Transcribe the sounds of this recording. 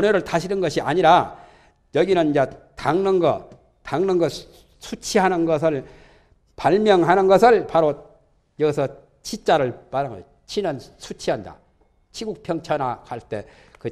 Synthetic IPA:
ʌneɾɯɭtaɕʰinɯnɡʌɕʰiaɲiɾa | jʌɡinɯnid͡ʑetaŋnɯnɡʌ̰ | taŋnɯnɡʌ | sʰut͡ɕʰiɦanɯnɡʌs̬ʰɯɭ | paɭmjʌŋɦanɯnɡʌsʰɯɭpaɾo | jʌɡisʰʌ | t͡ɕʰit͡ɕ͈aɾɯɭpaɾanɡʌ̰ | t͡ɕʰinɯnsʰut͡ɕʰiɦanda̰ | t͡ɕʰiɡuk̚pʰjʌŋt͡ɕʰʌnakaɭt͈e̞kɯ

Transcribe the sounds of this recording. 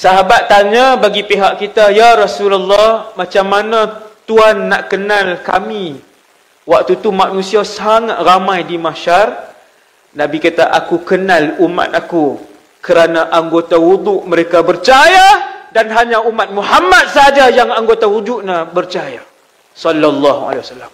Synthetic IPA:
saɦabat̪ːaɲabaɡipeɦaʔkit̪ajaɾɔsulalːɔhmãt͡ʃamːanãt̪uanːaʔkənalka̰mĩ | wak̚t̪ut̪umaʔnũsiasaŋat̪̚ramãjdimaʃar | nabikat̪aʔakukənaluma̰t̪̚aku | kəɾanaʔaŋɡot̪awud̪uʔməɾekabərt͡ʃajadanɦaɲaumat̪̚muhamat̪̚səɦad͡ʒajaŋaŋɡot̪awud͡ʒuʔnabərt͡ʃaja | sɔlːalːɔhua̰lewasalːam

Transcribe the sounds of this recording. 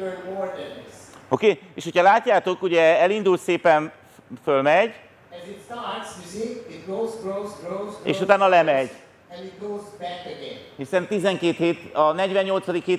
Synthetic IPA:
əwɔɹd̪əsokeːeːʃho̞cʰɒlaːcːaːt̪o̞kuɟɛɛlind̪ult̪seːpɛn | følmɛɟ | ɛzɪtstatssiit̚ɡozɡɹoʊzɡɹoʊzḛːʃut̪aːnːɒlɛmɛɟ | ɛ̃nit̚ɡoʊzbækəɡɛ̃nhisɛnt̪izɛŋkeːt̪heːt̪ɒnɛɟvɛɲːo̞lt̪sɒd̪ikheː

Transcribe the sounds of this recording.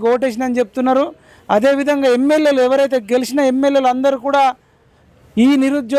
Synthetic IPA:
koːʈeːʃ̬ind̪ɐnit͡ʃe̞p̚ut̪unːaːɾu | ɐd̪e̞ːʋid̪ʱɐŋɡaːemːe̞lje̞ːluɛʋɐɾɐjt̪̬e̞ːɡe̞lisinɐe̞mːeljeːlɐnd̪ɐɾikuːɽaː | iːniɾud̪d͡ʒ

